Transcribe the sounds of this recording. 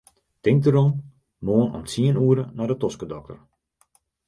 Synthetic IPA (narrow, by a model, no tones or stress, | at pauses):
tɪŋk̚dəɾɔn | moːənɔ̰nsiənuəɾənɔdətɔskədɔk̚tə̰r